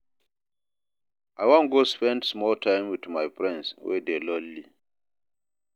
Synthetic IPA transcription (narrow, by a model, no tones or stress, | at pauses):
ʔajwɔ̃nɡospɛ̃ndsmɔltʰãɪmwidmajpɹɛ̃nswɛ̰delɔlli